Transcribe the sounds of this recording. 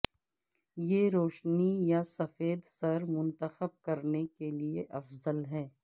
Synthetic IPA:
jeːɾoːʃnijasɐfeːd̪sɐɾmʊ̃nt̪əxəb̚kɐɾnekelieʔɐfzəlɦɛː

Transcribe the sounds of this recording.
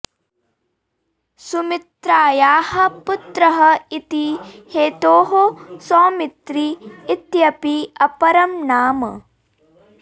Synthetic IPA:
sumit̪ɾaːjaːhɐ̆put̪ɾɐɦɐit̪iheːt̪oːɦosoːmit̪ɾiːt̪jɐpiɐpɐɾɐmnaːmɐ̰

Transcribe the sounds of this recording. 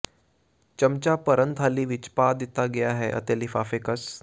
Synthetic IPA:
t͡ɕəmt͡ɕapəɾənt̪ʰaliːʋit͡ɕpad̪it̪aɡejaɦeʔə̰t̪elifafekəs

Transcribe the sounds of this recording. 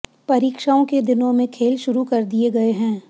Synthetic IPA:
pɐɾiːkʃaːõked̪ɪnõmẽkʰeːlʃʊɾukɐɾd̪ieɡɐeɦɛ̃ː

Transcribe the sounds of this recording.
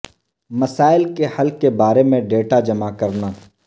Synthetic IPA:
mɐsaːɪlkehɐlkebaːɾemẽɖeːʈad͡ʒɐmakɐɾnaː

